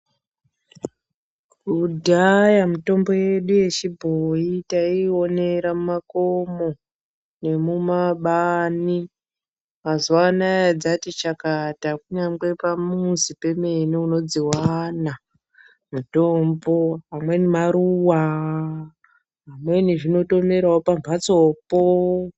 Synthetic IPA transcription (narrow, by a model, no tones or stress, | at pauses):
kudʱajamuto̞mbo̞je̞ɗuje̞t͡ʃibʱoitaio̞ne̞ɾamumakomo̞ | ne̞mumaɓani | mazuwanajad͡zatit͡ʃakatakuɲamɡwe̞pamusipe̞me̞neuno̞d͡ziwana | muto̞mbo̞ɦamwe̞nimaɾuwa | ɦamwe̞niʐino̞to̞me̞ɾaopamvʱat͡so̞ːpo